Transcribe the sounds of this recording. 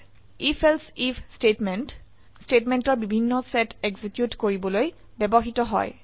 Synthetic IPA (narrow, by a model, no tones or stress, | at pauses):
ifʰelsipstetment | stetmentɔɹbibʱinːɔsɛteɡzikjutkoɹibɔloj | bɛbɔxitɔɦɔ̰j